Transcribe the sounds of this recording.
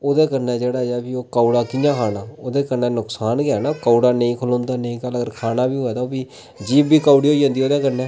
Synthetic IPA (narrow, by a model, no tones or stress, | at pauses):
oːd̪eːkəɾnɛːd͡ʒeːɽaːd͡ʒaːbiːoːkaːuɽaːkɪjãːkʰaːnaːoːd̪eːkəɾnɛːnʊksaːnɡjaːnaːkaːuɽaːnə̃ĩːkʰʊlõːnd̪aːnəĩːkaləɡəɾkʰaːnaːbiːɦoɛːd̪aːoːbiː | d͡ʒiːbːiːkaːuɽiːɦoːid͡ʒãːnd̪iːoːd̪eːkəɾnɛ̃ː